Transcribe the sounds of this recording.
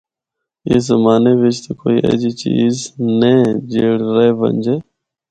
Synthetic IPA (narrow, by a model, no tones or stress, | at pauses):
jeːzəmaːneːʋɪt͡ʃt̪ekoːiːʔə̰d͡ʒiːt͡ʃiːzneːd͡ʒeːɽɾeʋə̰nʲd͡ʒeː